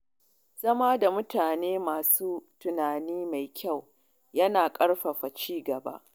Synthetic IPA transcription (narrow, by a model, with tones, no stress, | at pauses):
z̥ɐ˦maː˦da˨mʊ˦taː˨neː˦maː˨suː˦tʊ˨naː˨niː˦ma˨jkʲʰa˦˨w | jɐ˦naː˨kʼɐ˦ɽɸɐ˨ɸa˨t͡ʃiː˦ɡɐ˨ba̰˦ʔ